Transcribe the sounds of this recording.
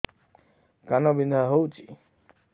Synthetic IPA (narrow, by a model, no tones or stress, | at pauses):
kanobind̪ʱaɦowt͡ʃi